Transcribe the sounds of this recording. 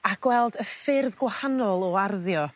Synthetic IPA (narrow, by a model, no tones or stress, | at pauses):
aɡ̥wɛlˠdəfɪrðɡwahanɔlˠɔarðjɔ